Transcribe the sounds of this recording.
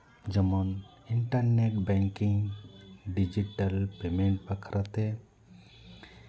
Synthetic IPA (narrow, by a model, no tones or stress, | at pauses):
d͡ʒɔmɔn | iɳʈaɾneʈbɛŋkiŋ | ɖid͡ʒiʈalpemeɳʈ̚pakʰaɾʔat̪ɛ